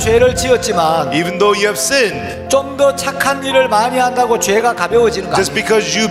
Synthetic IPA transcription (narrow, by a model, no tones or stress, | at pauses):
t͡ɕwe̞ɾɯɭt͡ɕiʌt̚t͡ɕ͈imanivɨ̃nðoʊjɨːv̥sɪ̃n | t͡ɕomdʌt͡ɕʰakʰaniɾɯɭmaɲiɦandaɡot͡ɕwe̞ɡakabjʌwod͡ʑinɯnɡaʌsb̥ikʰʌzjɨ